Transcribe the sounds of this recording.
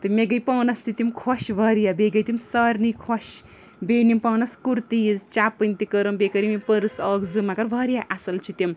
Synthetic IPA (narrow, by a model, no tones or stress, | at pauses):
t̪ɨmeɡɐjpɐwnɐst̪it̪imkʰoʃʋʱɐɾijabeɡɐjt̪imsɐɾnikʰoʃ | benimpɐwnɐskuɾt̪ijzt͡ʃapːɨnt̪ikɐɾɐmbekɐɾimimpəɾɨsɐːkzɨmakɐɾbʱɐɾijaʔasɐlt͡ʃʰut̪im